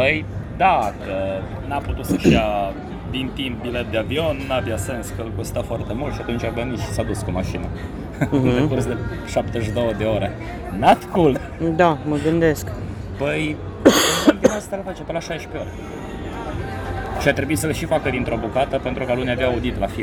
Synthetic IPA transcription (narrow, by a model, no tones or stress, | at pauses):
pəjd̪akə | naput̪usaʃia | d̪int̪imp̚bilet̪̚d̪eavio̞nːabjase̞nskəlkost̪afoart̪emult̪ʃiat̪unt͡ʃʲavənit̪ʃi̥sad̪uskumaʃinə | d̪ekurs̬d̪e | ʃapt̪eʃ̬id̪o̞wəd̪e̞oɾe | nat̪kult̪ | d̪aməɡɨnd̪esk | pəj | ld̪inast̪alafat͡ʃepəlaʃajʃpe̞oɾʲ | ʃiat̪ɾe̞buit̪səleʃifakəd̪int̪ɾobukat̪əpent̪ɾukaluniavjaːud̪it̪lafil